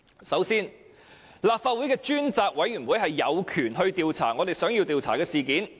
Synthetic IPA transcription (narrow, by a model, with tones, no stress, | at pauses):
sɐ˨˥wsiː˥n | laː˨p̚faː˧t̚wuː˨˥jkɛː˧t͡ʃyː˥nt͡saː˧k̚wɐ˨˥jɥyː˨˩nwuː˨˥jhɐ˨jːɐ˨˧wkʰyː˨˩nɦɵ˧ɥt̪iː˨wt͡sʰa̰ː˨˩ŋɔː˨˧t̪e˨jsœː˨˥ŋjiː˧wt̪iː˨˧wt͡sʰaː˨˩kɛː˧siː˨kiː˨˥n